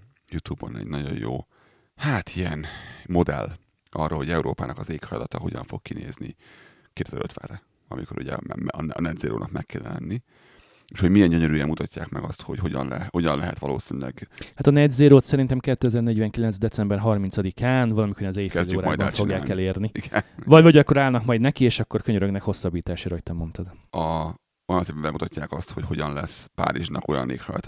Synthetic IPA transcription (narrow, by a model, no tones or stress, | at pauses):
jut̪ubonɛ̰ɟnɒɟojoː | haːt̪ʰiɛnmo̞d̪ɛlː | ɒrːolho̞ɟɛuɾoːpaːnʔɒkɒzeːkhɒjlɒt̪ɒɦo̞ɟɒɱfo̞kkinḛːzni | keːd̪zɛlø̰ːt̪ʋɛ̰ːrɛ | ɒmiko̞ɾuɟɛmnnɛd̪zeːɾo̰ːnɒkmɛkːɛlːɛ̰nːi | eʃho̞ɟmijɛɲɟøɲøɾyːjɛmmut̪ɒcːaːkmɛɡɒst̪ho̞cho̞ɟɒnlɛho̞ɟɒnlɛɦɛt̪ʋɒloːsinylɛɡhat̪ɒnɛd̪zeːɾoːt̪sɛɾint̪ɛmkɛt̪ːøɛzɛrnɛɟvɛŋkilɛnzd̪ɛtt͡sɛmbɛrɦɒrmint̪sɒd̪ikʰaːnvɒlɒmikoɾjnɒzeːjfɛzloːɾajd̪bɔfo̞ɡjaːkɛleːrniiɡnvɒɟvɒɟɒkːo̞ɾaːlnɒkmɒjd̪nɛkieːʃɒkːo̞rkøɲøɾøɡnɛkho̞sːɒbːiːt̪aːʃaːɾɒɦoc̚t̪ɛmo̞nt̪ɒd̪ɒ | ojɒnseːpːɛmbɛmut̪ɒcːaːkɒst̪ho̞cho̞ɟɒnlɛspa̰ːɾiʒnɒko̞jɒ̰nːḛːkhɒ̰jt̪